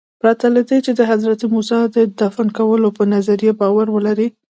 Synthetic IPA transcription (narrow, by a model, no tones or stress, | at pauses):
pɾɑt̪alad̪et͡ʃed̪əɦad̪ɾat̪imusɑd̪əd̪afankawəlopənazaɾjebɑwaɾwəlaɾi